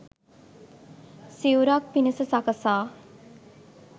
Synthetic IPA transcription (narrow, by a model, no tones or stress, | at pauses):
siuɾak̚pinəsəsakəsaː